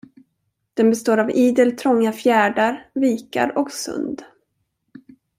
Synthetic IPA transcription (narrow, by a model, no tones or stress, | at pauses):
d̪̥ɛnbɛst̪oːɾaviːd̪əlt̪ʰɾɔŋːafjæːɖaɾviːka̰ɾɔksɵ̰nd̪